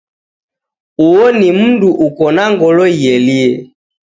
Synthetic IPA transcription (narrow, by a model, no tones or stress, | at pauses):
uɔnimunduʔukɔnaŋɡɔlɔiɛliɛ